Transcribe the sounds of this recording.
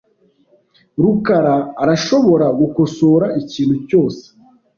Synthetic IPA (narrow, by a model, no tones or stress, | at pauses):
ɾukaɾaːɾaʃo̞βo̞ɾaɡukosoːɾaʔiciːn̥huco̞ːse̥